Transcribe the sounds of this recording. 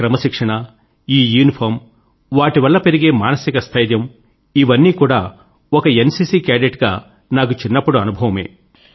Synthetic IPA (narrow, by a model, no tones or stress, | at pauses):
kɾɐmɐʃikʂɐɳɐ | iːjuːnipʰɐɾm | ʋaːʈiʋɐlːɐpe̞ɾiɡe̞ːmaːnɐsikɐst̪ʰɐjd̪jɐm | iʋɐnːiːkuːɽaː | ɔkɐe̞nsiːsiːkaːɖeʈɡa̰ː | naːk̬ut͡ʃinːɐpːuɽuɐnubʱɐʋɐme̞̰ː